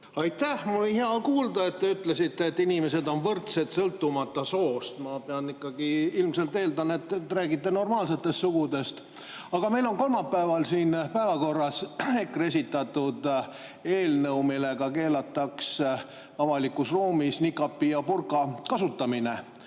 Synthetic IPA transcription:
ɑjt̪ːæhmɑijheɑkuːld̪ɑe̞t̪ːe̞yt̪lesit̪ːeːt̪ːinimese̞d̪o̞nvɤrt̪se̞t̪sɤlt̪ːumɑt̪ːˑɑso̞ːst̪mɑpeɑnikːˑɑɡiilmse̞lt̪eːld̪ɑnet̪ːtːɾæːɡit̪ːeno̞rmɑːlse̞t̪ːˑe̞st̪suɡ̥ud̪e̞st̪ | ɑɡ̥ɑme̞jlo̞ŋko̞lmɑpːæevɑlsiːnpæevɑko̞rːɑse̞kːre̞s̬ʲit̪ːˑɑt̪ːˑud̪ | e̞ːlnɤwmile̞ɡ̥ɑke̞ːlɑt̪ːˑɑks | ɑvɑlikːˑusruːmisnikːˑɑpːiɑpurkˑɑkɑsut̪ːˑɑmine̞

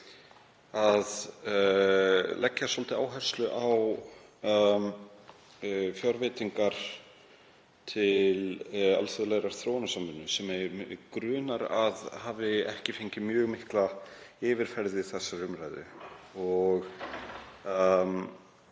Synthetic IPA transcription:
að | lɛcːasɔlt̪ɪaːwɦɛ̥st̪lʏʔaw | fjɔɾvɪːt̪iŋkaɾ̥ | t̪ʰɪla̰lfœðlɛɣɾaɾ̥θɾoːwnasamːʏnːʏsɛmɛkɾʏːnaɾa̰ðhaːvɪɛ̰hcɪfeɲcɪmjœːɣmɪhklaɪːvɪɾ̥fɛɾðɪθɛsːaɾʏmɾajðɪ̰ɔɣ

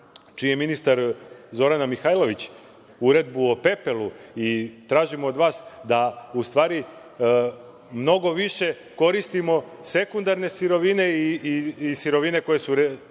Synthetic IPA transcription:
t͡ʃijeminist̪aɾzo̞ɾanamixajlˠo̞ʋit͡ɕ | uɾe̞d̪buope̞pe̞lˠuit̪ɾaːʒimoːd̪ʋaːsd̪aust̪ʋaːɾi | mno̞ɡo̞ʋiʃe̞ | ko̞ɾist̪imo̞se̞kund̪aɾne̞siɾo̞ʋine̞iiisiɾo̞ʋine̞ko̞je̞suɾ

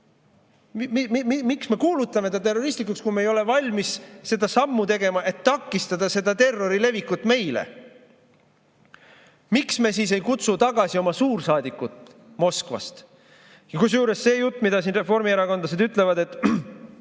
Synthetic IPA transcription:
mmimiksme̞kuːlut̪ːˑɑme̞d̪̥ɑt̪e̞rːo̞ɾist̪likːˑukskumejo̞le̞vɑlʲmisse̞d̪̥ɑsɑmːut̪e̞ɡe̞mɑʔe̞t̪ːɑkːˑist̪ɑd̪̥ɑse̞d̪̥ɑt̪e̞rːo̞ɾile̞vikːˑut̪ːˑme̞jlḛ | miksme̞siːs̬e̞jkut̪sut̪ɑɡ̥ɑsio̞mɑsuːɾsɑːd̪ikːˑut̪ | mo̞skvɑ̰st̪ | jɑkus̬juːɾesːe̞ːjut̪ːˑmid̪̥ɑsiːnre̞fo̞rmieɾɑko̞nlɑsed̪yt̪ːˑle̞vɑd̪e̞t̪ːˑ

